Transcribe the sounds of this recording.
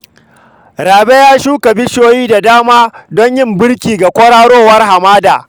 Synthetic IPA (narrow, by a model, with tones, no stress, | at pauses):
ɾaː˨be˦jaː˦ʃuː˦ka˨bɪ˦ʃoː˦jiː˦da˨daː˦maː˦dɔ˦ɲjɪ˦mbɪ˦ɽkʲiː˨ɡa˨kʷɔ˦ɽaː˦ɽoː˦wɐ˦rɦa˨maː˦da̰ː˨